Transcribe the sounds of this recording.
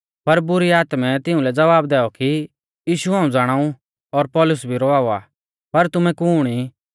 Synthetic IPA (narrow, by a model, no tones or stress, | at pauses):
pɐɾbʊɾiaːt̪mɛt̪ɪũlɛd͡zɐʋaːbd̪ɛːɔki | jiːʃuɦãːũd͡zaːɽ̃aːũ | ɔːɾpɔːlʊsbʱiɾɔaːua | pɐɾt̪ʊmɛ̃kuːɽ̃i